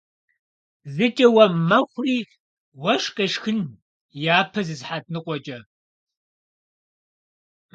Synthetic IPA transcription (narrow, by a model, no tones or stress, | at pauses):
zɨt͡ʃʼɐwɐmɐχʷriː | wɐʂqʼeʂxɨn | jaːpʰɐzɨzħat̚ʰʼnɨqʷʼɔt͡ʃʼɐ